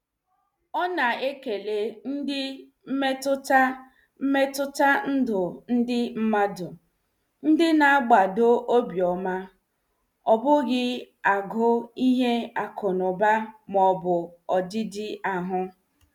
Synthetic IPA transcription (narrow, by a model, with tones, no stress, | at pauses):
ɔ˦na˨e˦ke˨le˨n̩˦dɪ˦ | m̩˦me˦tʊ˦ta˦ | me˦tʊ˦ta˦n̩˦dʊ˨n̩˦dɪ˦m̩˦ma˦dʊ˨ | n̩˦dɪ˦na˨a˦ɡ͡ba˨do˦ʔo˦bjɔ˨ma˦ | ɔ˨bʊ˦ɡɪ˦ | a˨ɡʊ˦i˦ɦe˦a˨kʰʊ˨nʊ˨ba˦mɔ˨bʊ˨ɔ˨dɪ˦dɪ˦a˨ɦʊ˦